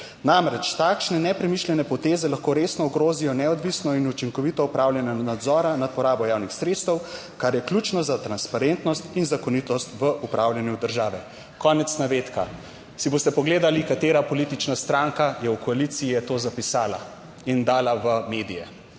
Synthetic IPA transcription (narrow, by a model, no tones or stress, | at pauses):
namɾɛt͡ʃt̪aːkʃnɛnɛpɾɛmiʃlʲɛnɛpɔt̪eːzɛlaxkoːɾeːsnɔuɡɾoːzijɔnɛɔd̪ʋisnɔinut͡ʃiŋkɔʋit̪ɔupɾawljanjanad̪zɔːɾanat̪̚pɔɾaːbɔjaːwnixsɾet̪st̪əw | kaɾjɛklʲjut͡ʃnɔzat̪ɾanspaɾent̪nɔst̪inzakɔnit̪ɔst̪ʋəʔupɾʔawlʲjanjud̪əɾʒaːʋɛ | kɔːnɛt̪snaʋeːt̪ka̰ | siboːst̪ɛpɔɡleːd̪alikat̪eːɾapɔlit̪it͡ʃnast̪ɾaŋkajɛukɔalit̪sijɛt̪oːzapisaːla̰ | ind̪aːlaʋəmeːd̪ijɛ